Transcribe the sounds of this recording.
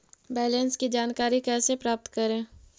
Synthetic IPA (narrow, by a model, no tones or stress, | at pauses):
bɛːlə̃nskid͡ʒaːnkaːɾikɛːsepɾaːp̚t̪kəɾẽː